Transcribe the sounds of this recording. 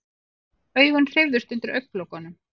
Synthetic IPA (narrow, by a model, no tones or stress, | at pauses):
œːɥɣanr̥ɪvðʏst̪ʏnt̪ɪɾʔœɥk̚n̥plowkanʏm